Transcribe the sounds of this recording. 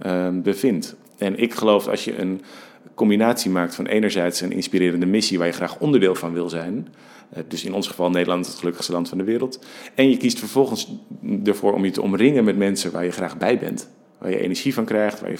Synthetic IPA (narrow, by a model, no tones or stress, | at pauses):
bəvɪnt | ɛnɪkχəlowfɑ̰lˠsjə̰ʔə̰n | kɔmbinaːtsimaːk̚tfɑnʔejnəɹzɛjtsənʔɪ̰nspiɾɪːɾəndəmɪsiʋaːɹjəχraːχɔndəɹdɪːlˠvɑnʋɪlˠzɛjn | dɵsɪnɔnsχəvɑlˠnejdəlɑntətχəlɵkə̥χstəlɑntfɑndəʋɪːɾəlˠtɛnjəkistfəɹv̥ɔlˠχənsdəɹvʊːɹʔɔ̰mjətəɔ̰mrɪŋənmɛtmɛnsəʋa̰ːɹjəχraːχbɛjbɛ̰nt | ʋaːjə̰ʔḛnəɹʒivɑnkrɛjχtʋa̰ːjə̰